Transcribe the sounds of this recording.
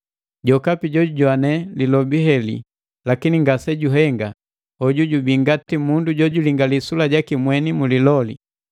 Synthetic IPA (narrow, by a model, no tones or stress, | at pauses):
ɟɔkapiɟɔuɟwanɛlilɔbiɦɛlḭ | lakiniŋɡasɛɟuɦɛŋɡa | ɔɟuɟubiŋɡatimunduɟɔɟuliŋɡalisulaɟakimwɛnimulilɔli